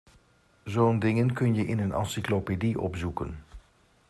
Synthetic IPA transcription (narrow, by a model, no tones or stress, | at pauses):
zoːndɪŋənkɵnjəʔɪnənɑ̰nsiklopediʔɔ̰pzukə̰n